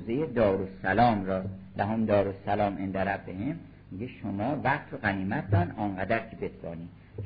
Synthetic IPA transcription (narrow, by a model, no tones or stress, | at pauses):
zejed̪ɒːɾosælɒːmɾɒːlæɦomd̪ɒːɾosælɒːmʔend̪æɾæbbehem | miɡeʃomɒːvæχt̪ʰɾoɢæniːmæt̪̚d̪ɒnɒːnɢæd̪æɾkʰebesb̪ɒ̰ːni̥ː